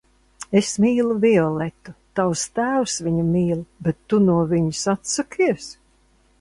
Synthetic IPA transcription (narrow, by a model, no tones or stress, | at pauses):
esmiːlˠuvʲiɔlɛt̪ut̪awst̪æːwsviɲumiːlˠbet̪ːunuɔviɲisat̪sakiɛs